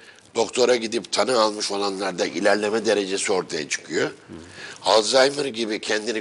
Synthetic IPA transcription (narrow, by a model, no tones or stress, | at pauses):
d̪̥o̞kt̪ʰo̞ɾaɟid̪ipt̪ʰanɯalˠmɯʃo̞lˠanlˠaɾd̪aʔḭlʲæɾlʲe̞mɛd̪e̞ɾe̞d͡ʒesio̞ɾt̪ʰaja̰t͡ʃʰɯ̥kʰɯjo | alˠzajmɯɾɟibicʰɛnd̪ini